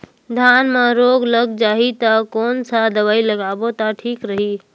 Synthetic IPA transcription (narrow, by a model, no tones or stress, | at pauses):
d̪ʱanmeɾoɡləɡd͡ʒaɦit̪əkonsad̪əβailəɡabot̪aʈʰikɾəɦi